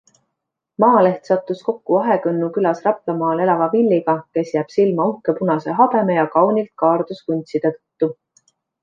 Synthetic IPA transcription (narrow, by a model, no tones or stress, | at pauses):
mɑːle̞ht̪sɑt̪ˑːusko̞kːuɑɦe̞kɤnːukylɑsrɑplɑmɑːle̞lɑvɑvilʲːiɡ̥ɑke̞sjæːb̥silmɑuhke̞punɑse̞ɦɑb̥e̞me̞jɑkɑwnilt̪̚kɑːrd̪uskunʲt̪sid̪ɤɤ̥t̪ːu